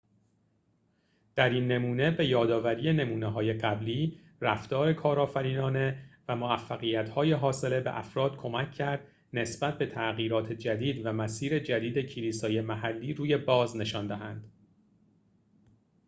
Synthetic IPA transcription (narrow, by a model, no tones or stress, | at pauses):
d̪̥æɾiːnːe̞muːne̞be̞jɒːd̪ɒːvæɾije̞ne̞muːneɦɒːje̞ɢæbliː | ræft̪ɒːɾe̞kʰɒːɾɒːfæɾiːnɒːne̞væmoæfːæɣijæt̪hɒːjeɦɒːse̞le̞beʔæ̰fɾɒːd̪̥kʰo̞mæcʰːæɾd̪̥ | ne̞sbæt̪̚be̞t̪ʰæɣiːɾɒːt̪ʰe̞d͡ʒæd̪iːd̪væmæsiːɾe̞d͡ʒæd̪iːd̪ecʰiliːsɒːjemæɦælːiːɾuːje̞bɒːzne̞ʃɒːnd̪æɦænd̪̥